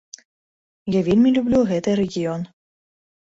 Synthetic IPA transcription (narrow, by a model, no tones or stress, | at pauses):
jɑvʲelʲmʲilʲublʲuɣɛt̪eɛɾʲeɡʲion